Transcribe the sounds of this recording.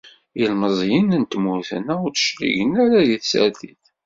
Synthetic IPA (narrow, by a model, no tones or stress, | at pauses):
ilməzˤjənənt̪muθə̰næʊɾt͡sə̥ʃlḭʝənæɾaðiθsə̰ɾθiθ